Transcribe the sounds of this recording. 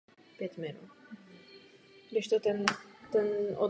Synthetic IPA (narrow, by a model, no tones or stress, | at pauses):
pjɛt̪mɪnṵ | dɪʃt̪ot̪ɛnt̪ɛnɔ